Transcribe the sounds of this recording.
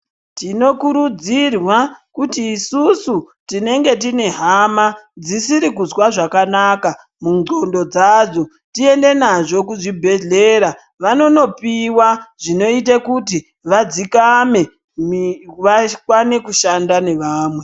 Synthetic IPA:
tino̞kuɾud͡zirwakutiːsusu | tine̞ŋɡe̞tine̞ɦamad͡zisiɾikuzwaʐakanaːka | muŋɡo̞ndo̞d͡zad͡zo̞ | tie̞nde̞naʐo̞kuʐibʱe̞ɮe̞ɾa | ʋano̞no̞piwaʐino̞it̬akuti | ʋad͡zikame̞ | mʋakwane̞kuʃandane̞ʋaːmwe̞

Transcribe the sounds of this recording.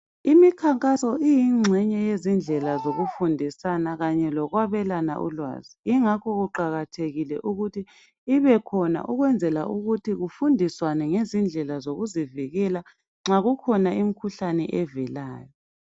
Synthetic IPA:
imikʰaŋkʼasɔʔijiŋ͡ǁʱɛɲɛjezind͡ɮʱɛlazoɣufundʱisanaɣaɲɛlɔɣwaβɛlana̰ʔṵlwa̰ːziːŋakʰɔɣuǃaɣatʰeɣilɛ̰ʔuɣutʰiː | βɛkʰɔna̰ʔuɣwɛnd͡zʱɛla̰ʔuɣutʰiɣufundʱiswanɛŋezind͡ɮʱɛlazoɣuziviɣɛla | ŋ͡ǁaɣukʰɔnaim̩kʰuɬanɛ̰ʔɛvɛlaːjɔ

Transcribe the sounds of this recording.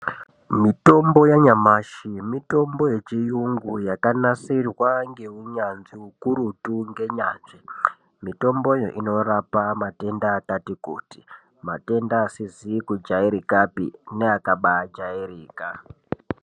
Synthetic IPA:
mito̞mbo̞jaɲamaʃimito̞mbo̞je̞t͡ʃijuŋɡujakanasirwaŋɡe̞uɲanziukuɾutuŋɡe̞ɲaːnʐe | mito̞mbo̞jo̰ʔino̞rapamate̞ndaːtatikṵːti | ma̰te̞ndaːsizikud͡ʒaiɾikapḭneakaɓad͡ʒaiɾiːka

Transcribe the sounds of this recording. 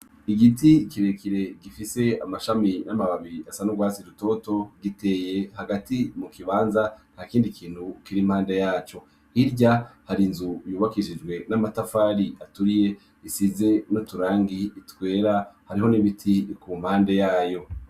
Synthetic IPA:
iɡitikiɾekiɾe̞ɡifise̞a̰maʃaminamaβaβiasanuɡwaːsiɾuto̞to̞ɡite̞je̞haɡatimukiβaːnzan̥haːkiːndikʰiːn̥hukiɾimhaːnde̞jaːt͡ʃo̞ | iɾɟahaɾinzujuːβakiʃid͡ʒɡwe̞namatafaːɾiʔatuɾije̞ | isize̞notuɾaːŋɡiːtwe̞ːɾahaɾiɦo̞niβitʰikumhaːnde̞jaːjo̞

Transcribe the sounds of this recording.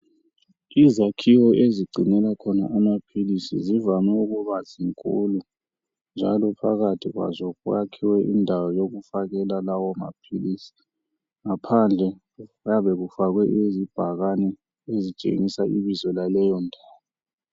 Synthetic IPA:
izakʰiwɔeziɡ͡ǀʱinɛlakʰɔna̰ʔamapʰilisḭzivanɛuɣuβaziŋkʼulu | nd͡ʒʱalɔpʰaɣatʰiɣwa̰zɔuakʰiwɛʔindʱawɔjoɣufaɣɛlalawɔma̰pʰilisi̥ | ŋapʰand͡ɮʱɛ | jaβɛɣufaɣwɛʔezib̥ʱaɣanɛ | ezit͡ʃʼḛŋisaʔiβizɔlalɛjɔndʱaːwɔ

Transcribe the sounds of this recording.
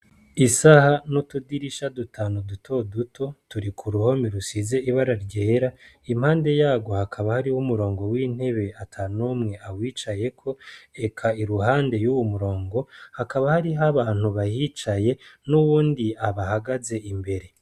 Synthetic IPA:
isahanotudiɾiʃadutʰaːnodutʰo̞dutʰo̞tuɾikʰuɾuho̞miɾusize̞iβaɾaɾɟe̞ːɾa | im̥haːnde̞jaːɡwo̞hakʰaβahaɾiwumuɾo̞ːŋɡo̞wiːn̥he̞βe̞atʰanomŋe̞awiːt͡ʃaje̞kʰo̞e̞kʰaiɾuhaːnde̞juwomuɾo̞ːŋɡo̞hakaβahaɾiɦaβaːn̥huβajit͡ʃaje̞nuβuːndiaβahaɡaze̞imbe̞ɾe̞

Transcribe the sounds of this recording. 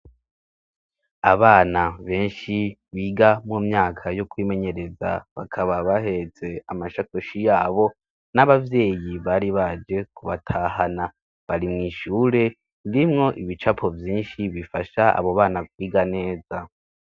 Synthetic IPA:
aβaːnaβe̞ːnʃi | βiːɡamumɲaːkʰajokwiːme̞ɲe̞ɾe̞za̰βa̰kʰaβaβahe̞t͡se̞amaʃakoʃijaːβo̞ | naβavje̞ːjiβaɾiβad͡ʒe̞kuβatʰaːhana | βaɾimŋiːʃuːɾe̞ | iɾimŋo̞ʔiβit͡ʃapʰo̞vjiːnʃiβifaʃaa̰βoβaːnakwiːɡane̞ːza

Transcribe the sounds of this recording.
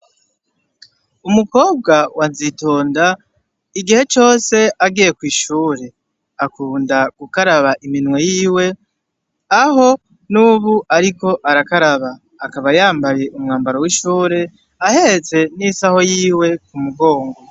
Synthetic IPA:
umuko̞ːb̚ɡawanzito̞ːnda | iɡihe̞t͡ʃo̞ːse̞aɡije̞kwiːʃuːɾe̞ | akuːndaɡ̥ukaɾaβaʔiminwe̞jiːwe̞ | aho̞ | nuβuʔaɾiko̞ʔaɾakaɾaβaː | kaβajaːmbaje̞ʔumŋaːmbaɾo̞wiʃuːɾe̞ | ahe̞ɾet͡se̞nisaho̞jiːwe̞kumuɡo̞ːŋɡo

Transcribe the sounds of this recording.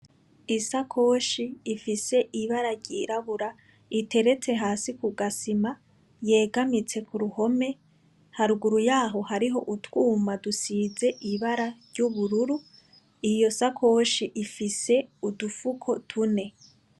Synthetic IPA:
isakʰo̞ːʃiːfise̞ʔiβaɾaɾɟiːɾaβuɾa | ite̞ɾe̞t͡se̞ɦaːsikuɡasima | je̞ːɡamit͡se̞kuɾuho̞me̞ | haɾuɡuɾujaːɦo̞haɾiɦo̞ʔutwuːmadusiːze̞ʔiβaɾaɾɟuβuɾuɾu | ijo̞sakʰo̞ʃiʔifise̞udufukʰo̞tʰune̞

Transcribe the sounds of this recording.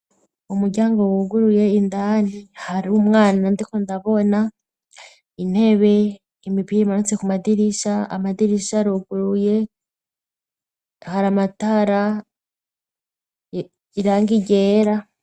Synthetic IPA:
umuɾɟaːŋɡowuɡuɾuje̞indanihaɾumŋaːnandikondaβo̞na | in̥he̞βe̞ | imipijeimanut͡se̞kumadiɾiʃaa̰madiɾiʃaɾoɡuɾuje̞ | haɾamataɾa | iɾaːŋɡiɟe̞ɾa

